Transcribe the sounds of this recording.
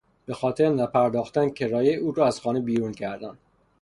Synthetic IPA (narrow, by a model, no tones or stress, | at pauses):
b̥e̞xɒːt̪ʰeɾnæpʰæɾd̪ɒːxt̪æncʰeɾɒːjeuːɾɒːæz̥xɒːnebiːɾuncʰæɾd̪ænd̪̥